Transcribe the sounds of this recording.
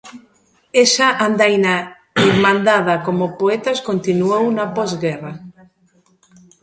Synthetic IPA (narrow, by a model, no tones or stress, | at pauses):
esaʔand̪ajna | emãnd̪aðakomopoet̪askont̪inuownapɔzɡera